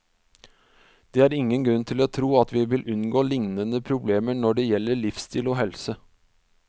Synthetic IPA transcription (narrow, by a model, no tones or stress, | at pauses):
d̪̥ɛːæɾɪŋːənɡɾʉnt̪ʰɪloːt̪ʰɾuːɑt̪ʋɪʋɪlʔʉnɡoːlɪŋnənəpʰɾʊbleːməɳɔɖɛjɛlːəɭɪfst̪ʰiːloɦɛlsə